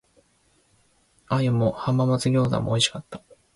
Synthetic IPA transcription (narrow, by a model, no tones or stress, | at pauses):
ajamohamːamat͡sɨɡʲo̞ːza̰mo̰iɕi̥kat̪ːḁ